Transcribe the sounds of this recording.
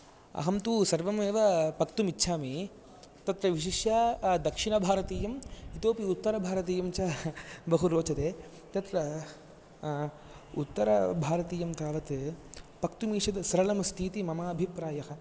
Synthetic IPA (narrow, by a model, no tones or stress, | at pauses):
ɐ̰ɦɐmt̪uːsɐɾʋɐmeːʋɐpɐkt̪umitːʃʰaːmi | t̪ɐt̪ɾɐʋiʃ̬iʃjaːd̪ɐkʂinɐbʱaːɾɐt̪iːjɐmit̪oːpiut̪ːɐɾɐbʱaːɾɐt̪̬iːjɐmt͡ʃɐːbɐɦuɾoːt͡ʃɐt̪eː | t̪ɐt̪ɾɐ | ṵt̪ːɐɾɐ̰bʱaːɾɐt̪iːjɐmt̪aːʋɐt̪pɐk̚t̪umiːʂɐd̪sɐɾɐlɐmɐst̪ʰiːt̪imɐmaːɐbʱipɾaːjɐɦɐ̆